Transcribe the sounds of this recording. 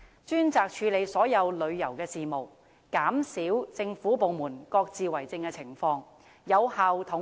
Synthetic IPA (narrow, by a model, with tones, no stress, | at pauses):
t͡ʃyː˥nt͡saː˨k̚t͡ʃʰyː˨˧le˨˧jsɔː˨˥jɐ˨˧wlɵ˨˧ɥjɐ˨˩wkɛː˧siː˨mo˨˩w | kaː˨˥msiː˨˥wt͡sɪ˧ŋfuː˨˥p̬o˨wmuː˨˩nkɔː˧k̚t͡siː˨˧wɐ˨˩jt͡sɪ˧ŋkɛː˧t͡sʰɪ˨˩ŋfɔː˧ŋ | jɐ˨˧whaː˨˧wt̪ʰʊ˨˥